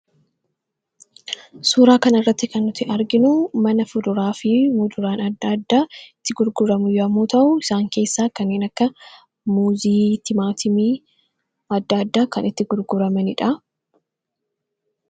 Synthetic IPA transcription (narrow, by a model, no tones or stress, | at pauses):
suːɾaːkɐnɐrːɐt̪ːɪkɐnːʊt̪ːɪʔɐɾɡɪnʊmɐnɐfʊd̪ʊɾaːfɪmuːd̪ʊɾaːnɐd̪ːɐd̪ːaːɪt̪ːɪɡʊɾɡʊɾɐmʊjɔɐmːoːt̪ɐʔʊɪsaːŋke̞ːsːaːkɐnːeːnɐkːɐ | muːziːt̪ɪmaːt̪ɪmiː | ɐd̪ːaːd̪ːaːkɐnɪt̪ːɪɡʊɾɡʊɾɐmɛnɪᶑɐ